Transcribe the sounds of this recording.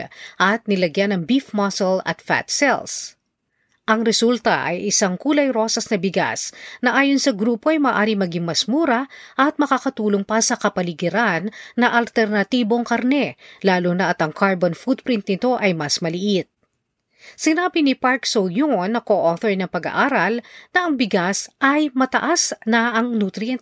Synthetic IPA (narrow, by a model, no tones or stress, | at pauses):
ʔɐt̪̚nɪlɐɡjanɐŋbifmɐsolɐ̰t̪fa̰t̪sɛ̰ls | ʔɐŋɾɛsult̪ɐ̰ʔɐ̰jʔɪsɐŋkuːlɐjɾo̞sɐsnɐbɪɡa̰snɐʔaːjonsɐɡɾuːpo̞ʔɐjmaːʔaːɾiŋmɐɡɪŋmɐsmuːɾɐʔɐt̪̚mɐkakɐt̪uːloŋpɐsɐkɐpɐlɪɡɪɾanːɐʔɐlt̪ɛɾnɐt̪iːbo̞ŋkɐɾnɛlaːlonɐʔɐt̪ɐŋkʰaɹbonfud̪̚pɾɪnt̪̚nɪt̪o̞ʔɐjmɐsmɐlɪʔit̪̚ | sɪnaːbɪnɪpaɹksojonːɐkoʔoθoɹnɐpɐɡɐ̰ʔaːɾɐlnɐʔɐŋbɪɡasʔɐjmɐt̪ɐʔasnɐʔɐŋnut̪ɾɪɛnt̪